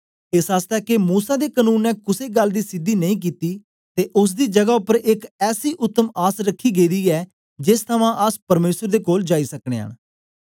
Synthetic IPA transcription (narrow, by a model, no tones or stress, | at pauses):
ɪsaːst̪ɛːkemuːsaːd̪eːkənũːnːɛːkʊseːɡəld̪iːsɪd̪iːnəĩːk̬iːt̪iː | t̪eːʔʊs̬d̪iːd͡ʒəɡaːʊpːəɾʔɪkɛːsiːʔʊt̪ːəmaːsɾəkʰːiːɡeːd̪iːɛː | d͡ʒɪst̪ʰəʋãːʔəspəɾmeːsəɾd̪eːkoːld͡ʒaːiːsəkɽ̃ḛːɦə̰ːñ